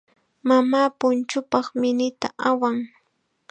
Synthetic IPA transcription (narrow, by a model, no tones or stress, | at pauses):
mamaːpʊnt͡ʃʊpɑχmɪnɪt̪aʔawaŋ